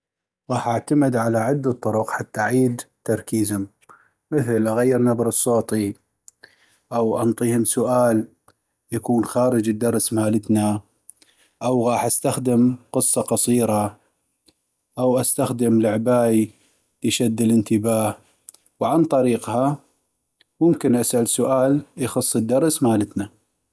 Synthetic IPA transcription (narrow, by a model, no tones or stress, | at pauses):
ɣɑːħʔaʕt̪amɪd̪ʕalaʕɪd̪ːat̪ˤːʊɾʊqħat̪ːaʔʕiːd̪t̪ːɑɾˤkiːzhʊm | mɪθlʔaɣajːɪɾnabɾɨsˤːoːt̪ˤi | ʔawʔɑnt̪ˤiːhʊmsʊʔaːl | jakuːnxaːɾəd͡ʒəd̪ːɑɾˤsmaːlət̪na | ʔawɣɑːħʔast̪axd̪əmqɨsˤːɑqɑsˤiːɾɑ | ʔawʔast̪axd̪əmlʊʕbaːʔi | ʃad̪ːələnt̪əbaːh | wʕant̪ˤɑɾiːqha | mʊmkɪnʔasʔalsʊʔaːljxɑsˤːəd̪ːɑɾˤsmaːlət̪na